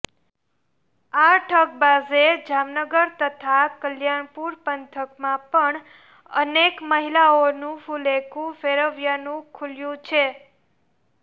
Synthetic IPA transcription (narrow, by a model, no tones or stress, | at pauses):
aʈʰək̚bazed͡ʒamnəɡəɾt̪ət̪ʰakəljaɳpuɾpənt̪ʰəkmãpəɳ | ə̰nekməɦilaonũfulekʰũfeɾəʋjanũkʰuljũt͡ʃʰe